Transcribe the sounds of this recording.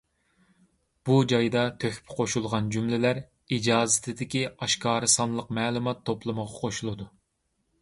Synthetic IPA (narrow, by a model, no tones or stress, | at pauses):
b̥ud͡ʒɑjd̪ɑt̪ʰøxpʰqʰoʃulˠʁɑnd͡ʒumlɪlæɾ | id͡ʒɑːzɪt̪ʰɪd̪ɪkʲiɑʃkʰɑːɾɨsɑnlˠəqmɛːlˠumɑt̪ʰːoplˠɨməʁɑqʰoʃulˠɨd̪u